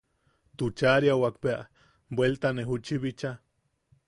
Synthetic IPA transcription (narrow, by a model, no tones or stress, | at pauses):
t̪ut͡ʃaɾjawakpeaʔ | bwelt̪aneɦut͡ʃiβit͡ʃa